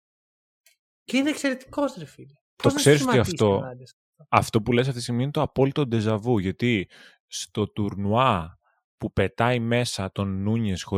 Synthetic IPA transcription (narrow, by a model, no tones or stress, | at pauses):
ceineːkseɾet̪i̥kost̪ɾefil | tt̪oksse̞ɾisoiɐft̪o̞ɐds | ɐft̪o̞pules̬ɐft̪ist̪iɣminet̪oɐpo̞lit̪o̞d̪e̞zɐvuʝɐt̪i | st̪o̞t̪uɾnuɐ | pupe̞t̪ɐime̞sɐt̪o̞nːuɲesxo̞